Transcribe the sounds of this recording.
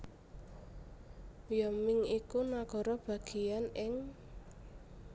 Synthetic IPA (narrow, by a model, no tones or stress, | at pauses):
jɔmɪŋikunaɡ̥ɔ̤ɾɔb̥a̤ɡ̥ianɪŋ